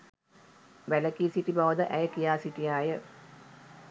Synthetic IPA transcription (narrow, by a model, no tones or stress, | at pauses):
ʋæləkiːsiʈibaʋəd̪əʔæjəkijaːsiʈijaːjə